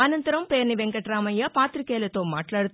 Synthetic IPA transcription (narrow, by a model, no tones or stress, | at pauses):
ɐnɐnt̪ɐɾɐmpeːɾniʋɛŋkɐʈɾaːmɐjɐpaːt̪ɾikeːlɐt̪oːma̰ːʈlaːɽut̪